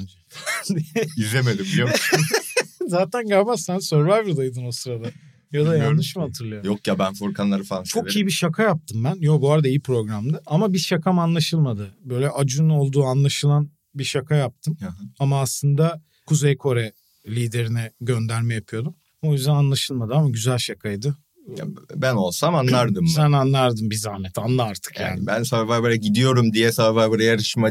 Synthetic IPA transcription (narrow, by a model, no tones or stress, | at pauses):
d͡ʒ | d̪izlʲemed̪imbili | zaːt̪ʰænɡaɾmassænsøɾvæɾviɾd̪ajd̪ɯno̞sɯɾad̪a | jad̪ajjanːɯʃɯmhat̪ʰɯɾlˠɯjojokjabænfoɾkʰanlˠaɾɯfaat͡ʃʰo̞kʰijibiʃakʰajap̚t̪ʰɯmbænjobuaɾad̪aijipɾo̞ɡɾamd̪aʔamabiʃakʰamanlˠaʃɯlˠmad̪ɯbø̞jlʲɛʔad͡ʒuno̞lˠd̪uːanlˠaʃɯlˠan | biʃakʰajap̚t̪ʰɯmamaːslˠɯnd̪a | kʰuzejkʰo̞ɾɛ | lʲiːd̪e̞ɾinɛɟø̞nd̪æɾmɛjapʰɯjo̞d̪um | o̞jyzd̪ænanlˠaʃɯlˠmad̪ɯamaɟyzælʲʃakʰajd̪ɯ | a̰bæno̞lˠsamanˠaɾd̪ɯmzænanlˠaɾd̪ɯmbizaːnɛt̪ʰanlˠaaɾt̪ʰɯ̥kjja̰ːnbænsavaɾbeɾɛɟid̪ijo̞ɾumd̪ijɛsaːvaɾbaɾajaɾɯʃma